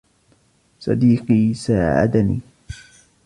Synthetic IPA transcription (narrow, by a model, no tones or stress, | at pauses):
sˤɑ̰d̪iːqiːsaːʕa̰d̪anḭː